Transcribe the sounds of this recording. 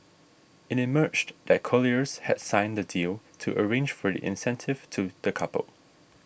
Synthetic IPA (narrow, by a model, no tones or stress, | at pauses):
ɪtɪmɜt͡ʃdɛt̚kʰɔliəshɛ̰d̥sãɪ̃ndədilˠtʰuʔəɹẽnd͡ʒfɔdḭʔɪ̰̃nsɛ̃ntʰɪv̥tʰud̥əkʰʌpə̰lˠ